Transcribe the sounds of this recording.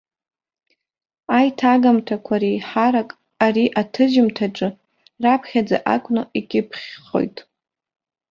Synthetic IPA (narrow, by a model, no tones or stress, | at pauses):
ajtʰaɡamtʰakʷʰaɾiħaɾakʼ | ariʔatʰɨʒɪmtʰaʈ͡ʂʼɨ | rapʰχʲad͡za̰ʔa̰kʷʰʼnaikʲʼɪpʰχʲχo̞̰jtʼ